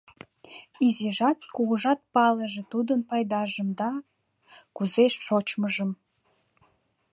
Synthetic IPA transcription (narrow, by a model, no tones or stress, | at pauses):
izeʒɑt̪̚kuɣəʒɑt̪̚pɑləʒĕt̪ud̪ənpɑjd̪ɑʒəmd̪ɑ | kuzeʃʃot͡ɕməʒəm